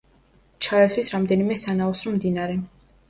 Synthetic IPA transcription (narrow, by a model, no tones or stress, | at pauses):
t͡ʃʰaɾɛt̪ʰwisɾamd̪ɛnimɛsanaɔsɾɔmd̪inaɾɛ